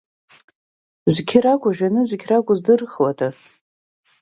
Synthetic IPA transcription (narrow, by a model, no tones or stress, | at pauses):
zɡʲʰɪrakʷʼʊʒᶣanɨzkʲʰrakʷʼʊzdɨrχwatʰa